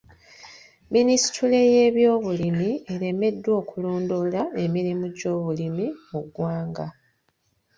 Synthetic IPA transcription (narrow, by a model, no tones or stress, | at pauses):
minisi̥tʰule̞je̞ːβjo̞ːβulimie̞ɾe̞me̞dːwo̞ːkuloːndolae̞miɾimuɟo̞ːβulimimuɡwaːŋɡa